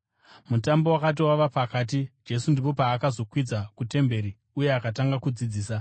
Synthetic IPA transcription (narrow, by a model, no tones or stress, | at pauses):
mutambo̞wakat̬iwaʋapakaːt̬id͡ʒe̞sundipo̞paːkazo̞kwid͡zakute̞mbe̞ɾi | ujeakataŋɡakud͡zid͡ziːsa